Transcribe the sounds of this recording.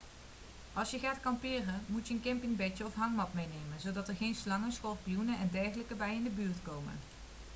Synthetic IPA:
ʔɑlˠsjəχaːtkɑmpɪːrənmutjəənkɛmpɪŋbɛtəɔfɦɑŋmɑtmejnejmənzowdɑtəɹɣejnslɑŋəsxɔlˠpijunəɛndɛɹχələkəbɛjɪndəbyːɹtkowmə̰n

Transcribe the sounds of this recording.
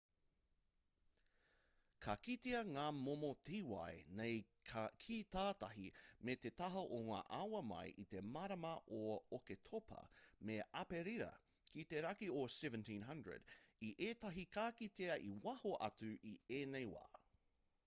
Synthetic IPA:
kʰɐkit̪eɐŋaːmomotiwɐ̰jnej | kʰit̪aːtɐɦimet̪et̪ɐɦɐʔoŋa̰ːʔawɐmɐ̰jʔit̪e̞mɐɾɐmɐʔooketʰopʰɐ̰meɐpeɾiɾɐ̰ | kit̪eɾɐkiosɛvə̃ntĩːnɦɐndɹə̰diʔeːtɐɦikaːkit̪eɐʔiwɐhoʔɐ̰t͡sʉʔieːnejwa̰ː

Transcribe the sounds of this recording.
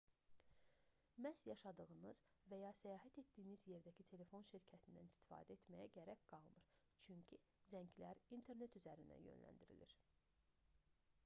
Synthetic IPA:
mæsjɑʃɑd̪ɯɣɯnɯz̥væjɑsæjɑːɦæt̪e̞t̪d̪ijːinizje̞ɾd̪æcʰit̪ʰe̞le̞fo̞nʃiɾcʰæt̪ʰind̪ænist̪i̥fɑ̰ːd̪æe̞t̪mæjæɟæɾæcɡ̥ɑlˠmɯɾ̥ | t͡ʃʰyɲcʰi | zæɲɟlæɾint̪ʰe̞ɾne̞t̪yzæɾind̪æ̰jø̰nlæ̰nd̪iɾḭlḭɾ̥

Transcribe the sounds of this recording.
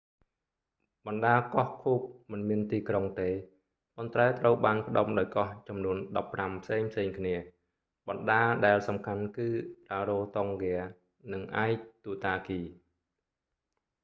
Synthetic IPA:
ɓɑnɗaːkɑhkʰuːp̚mɨnmiənt̪iːkroŋt̪eː | pont̪raɛt̪rəwɓaːnpə̆ɗomɗaɔjkɑht͡ɕɑmnuənɗɑpːrampʰseːŋpʰseːŋkʰniə | ɓɑnɗaːɗaɛlsɑmkʰankɨːraːɾoːt̪oŋɡɛə | nɨŋʔaɛk̚t̪uːt̪aːkiː

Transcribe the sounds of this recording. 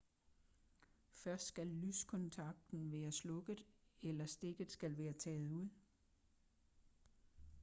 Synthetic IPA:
fɶɐsd̥sɡ̥ælːyskʰɔ̽nt͡sʰɑ̈ɡ̥̚d̥n̩ʋæːɐslɔ̽ɡ̥ð̩ˠelɐsd̥e̝ɡ̥ð̩ˠsɡ̥ælʋæːɐt͡sʰɛ̰ːð̞̩ˠuð̞̰ˠ

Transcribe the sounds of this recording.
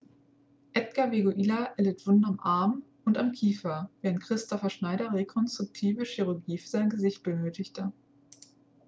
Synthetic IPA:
ʔɛtɡ̥aveɡoʔiːlaʔɛlɪtv̥ʊndɐamʔaɐm | ʊntamkʰiːfɐveːʁənt̚kʁ̥ɪstʰɔfɐʃnaɪɾɐʁekʰɔnstʁ̥ʊk̚tʰiːvəʃiʁʊɐɡiːfyɐzaɪnɡəzɪçt̚b̥ənøːtɪçtə

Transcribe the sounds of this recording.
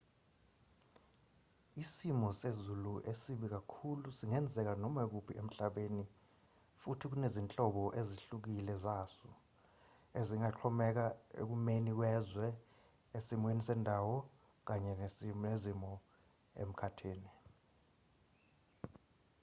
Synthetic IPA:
isimɔsezuluʔesiɓik̬akʰulusiŋɛnd͡zʱɛk̬anɔmek̬upʰiʔem̩ɬaɓeːni | futʰik̬unezint͡ɬʼɔɓɔʔeziɬuk̬ilɛzasu | eziŋaǃʰɔmɛk̬aḛk̬umenik̬wɛzwɛ | esimwenisɛndʱawɔ | k̬aɲɛneezimɔ | ḛm̩kʰatʰiːni

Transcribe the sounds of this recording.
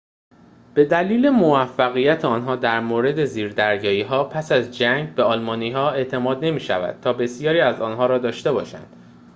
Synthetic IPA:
b̥e̞d̪æliːle̞movæfːæɣijæt̪ʰeɒːnɦɒːd̪æɾmoːɾe̞d̪e̞ziːɾd̪æɾjɒːiːɦɒːpʰæsæzd͡ʒæŋɟbe̞ɒːlmɒːniːɦɒːe̞ʔt̪ʰe̞mɒːd̪ne̞miːʃæ̰væ̰d̪̥̚t̪ʰɒːbe̞sijɒːɾiːæzɒːnɦɒːɾɒːd̪ɒːʃt̪e̞bɒ̰ːʃæ̰nd̪̥

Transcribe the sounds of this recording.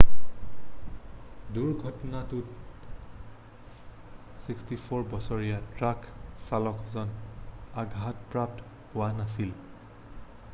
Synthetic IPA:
duɹɡʱɔtɔnatʊt | sikstipʰoɹbɔsɔɹijatɹaksalɔkʰzɔnaɡʱatpɹap̚t | hʊwanasil

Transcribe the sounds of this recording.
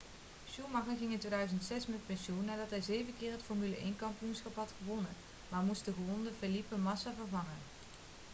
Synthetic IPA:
ʃumɑχənχɪŋɪntʋeːdœɥzəntsɛsmɛt̚pɛnʃunːaːɹdɑtɦɛjzejvəkɪːrɦətfɔɹmyləʔejnkɑmpiunsχɑpɦɑtχəʋɔnən | maːɹmustdəχəʋɔndəfelipəmɑsavəɹvɑŋən

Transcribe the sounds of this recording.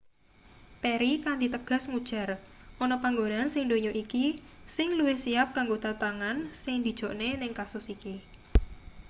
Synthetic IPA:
peɾikand̪it̪əɡ̥a̤sŋud̥ʒ̥a̤rʔonɔpaŋɡonansɪŋd̪oɲoʔiki | sɪŋluwɪhsijap̚kaŋɡot̪at̪aŋansɪŋd̪̥i̤d̥ʒ̥o̤ʔnenɪŋkasʊsiki

